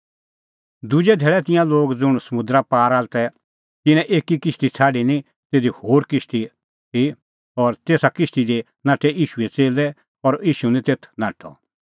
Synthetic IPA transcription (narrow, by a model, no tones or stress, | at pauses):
d̪ʊd͡ʒɛd̪ʱɛːɭɛt̪̬ɪ̃jãloːɡd͡zʊɽ̃səmʊ̃d̪ɾapaːɾaːlt̪ɛ | t̪ɪnɛ̃ʔeːkikɪst̪it͡sʰaːɖinĩ | t̪eːd̪ihoːɾkɪst̪i | t̪ʰi | ɔːɾt̪eːsakɪst̪id̪e | nãːʈʰɛʔiːʃuet͡seːlɛ | ɔɾiːʃunĩt̪eːt̪ʰnãːʈʰɔ̰